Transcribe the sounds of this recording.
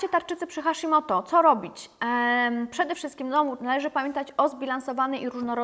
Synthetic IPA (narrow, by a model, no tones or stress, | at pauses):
t͡ɕɛt̪aɾt͡ʂɘt̪sɘpʂɘxaʂimɔt̪ɔt̪sɔɾɔbʲit͡ɕ | pʂɛd̪ɛfʂɘst̪kʲimd̪ɔmunalɛʐɘpamʲjɛnt̪at͡ɕɔzbʲilansɔvanɛiɾuʐnɔɾɔ